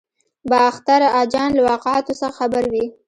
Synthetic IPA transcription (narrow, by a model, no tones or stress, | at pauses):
bɑaxt̪aɾɑd͡ʒɑnlawɑqɪʕat̪osaaxabaɾwi